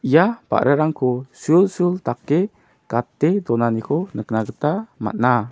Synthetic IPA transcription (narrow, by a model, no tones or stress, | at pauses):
ijapa̰ʔɾʔaɾaŋkʰɔsulsult̪akːe | kat̪ed̪ɔnanikʰɔnəknaɡət̪ama̰t̪̚na